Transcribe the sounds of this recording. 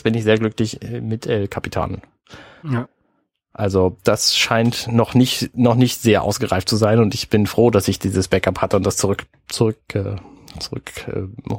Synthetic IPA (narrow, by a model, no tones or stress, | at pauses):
b̥ɪnɪçz̥eːɐɡlʏklɪçɛmɪtʔɛkʰapitʰa̰ːnən | ʔalzod̥asʃaɪntnɔχnɪçtnɔχnɪçtz̥eːɐʔa̰ʊsɡ̥əʁaɪftt͡suzaɪnʊntɪçb̥ɪnfʁ̥oːdasɪçd̥iːzəsb̥ɛkaphatəʊntd̥ast͡sʊʁʏk | t͡sʊʁʏkɛ | t͡sʊʁʏ̰kɛ̰